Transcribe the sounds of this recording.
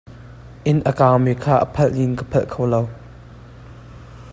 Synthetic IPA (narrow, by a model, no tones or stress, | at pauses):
ʔɪnʔəkaːwmikʰaːʔə̰pʰɐlʔlinkəpʰɐlʔkʰowlow